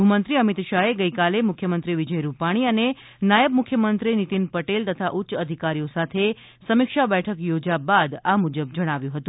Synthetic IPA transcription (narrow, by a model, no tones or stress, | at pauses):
umənt̪ɾiəmit̪ʃaɦeɡəjkalemukʰjəmənt̪ɾiʋid͡ʒəjɾupaɽ̃iəne | najəbmʊkʰjəmənt̪ɾinit̪inpəʈelt̪ət̪ʰaʔutːʃəd̪ʱikaɾijosat̪ʰe | səmikʃabɛʈʰəkjod͡ʒabad̪amud͡ʒəbd͡ʒəɽ̃aʋjũɦət̪ũ